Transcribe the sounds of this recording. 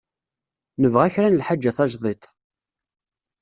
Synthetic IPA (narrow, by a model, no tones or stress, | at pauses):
nəvʁæçɾænəlħad͡ʒːæθɑʒðˤet̪ˤ